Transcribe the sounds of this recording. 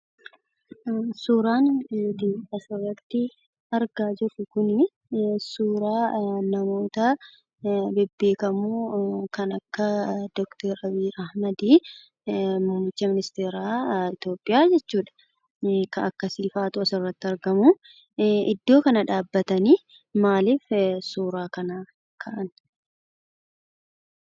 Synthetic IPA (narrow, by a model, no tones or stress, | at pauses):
suːɾaːnd̪iːɐsɐrːɐt̪ːɪ | ɐɾɡaːd͡ʒɪɾʊkʊnɪ | suːɾaːnɐmo̞ːt̪ɐ | bɛbːe̞ːkɐmuːkɐnɐkːɐd̪̥ɔkt̪ɛɾɐbiːɾʔɐhmɐd̪iː | mʊmmːɪt͡ʃːɐmɪnɪst̪eːɾaːɪt̪jo̞ːpʼːɪjaːd͡ʒɛt͡ʃːuːᶑɐ̥ | kɐkːɐsiːfaːt̪ʊɐsɪrːɐt̪ːɪɐɾɡɐmu | ʔɪd̪ːo̞ːkɐnɐᶑaːbːɐt̪ɐniː | maːliːfsuːɾaːkɐna | kʰɐʔɐn